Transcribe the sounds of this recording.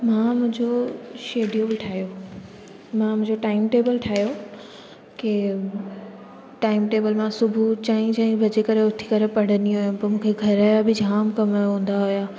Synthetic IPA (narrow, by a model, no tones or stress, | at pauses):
mãːmʊ̃ɦɪ̃ɲd͡ʑoʃeːɖijoːblʈʰaːjo | mãmʊ̃ɪ̃ɲd͡ʑoʈaːɪmʈeːbəlʈʰaːjo | keː | ʈaːɪmʈeːbəlmãsʊbʱut͡ɕaːĩd͡ʑaːĩbʱɐd͡ʑekɐɾeʊt̪ʰi̥kɐɾepɐɽ̤əniɦojũpɐmũːkʰeɡʱɐɾaːjabɪd͡ʑʱaːmkɐmajoɦũːn̆d̪aɦʊjaː